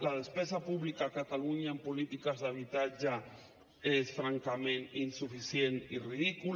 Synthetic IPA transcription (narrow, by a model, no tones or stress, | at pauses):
lað̞espesapuβlikakat̪aluɲaempolit̪ikazðaβit̪ad͡ʒa | esfɾaŋkamẽninsufisjeniriðiku